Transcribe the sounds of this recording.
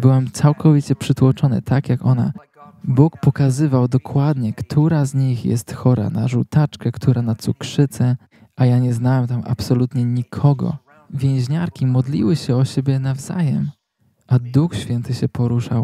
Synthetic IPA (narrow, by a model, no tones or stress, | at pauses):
bɘwɛmt̪sawkʰɔvʲit͡ɕɛpʂɘt̪wɔt͡ʂɔnɘ̰t̪ʰakjakɔna̰ | bukpɔkazɘvawd̪ɔkʰwad̪ɲɛkt̪ʰuɾazɲixjɛ̰st̪xɔɾa̰na̰ʐut̪at͡ʂkɛkt̪ʰuɾanat̪sukʂɘt̪sɛ | ʔajaɲɛznawɛmt̪amʔa̰psɔlut̪ɲɛɲikʰɔɡɔ̰ | vʲjɛ̃w̃ʑɲaɾkʲimɔd̪lʲḭwɘɕɛɔɕebʲjɛnavza̰jɛm | ʔad̪uxɕfʲjɛnt̪ɘɕɛpɔɾuʂaw